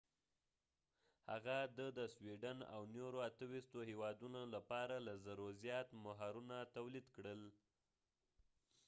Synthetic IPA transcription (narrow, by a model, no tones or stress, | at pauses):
ha̰ɣad̪əd̪əswiɖana̰wnoɾoat̪əwist̪ohewɑd̪unolapɑɾalazaɾozjɑt̪maɦaɾunat̪awlid̪kɽəl